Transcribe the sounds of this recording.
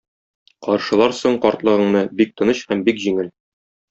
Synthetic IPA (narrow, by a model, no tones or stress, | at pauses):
qɒɾʃɤ̆lˠɑɾsoɴqɒɾt̪lˠɤ̆ʁɤ̆ɴnɤbik̚t̪ɤ̆nɤɕhæmbikʑiŋɘl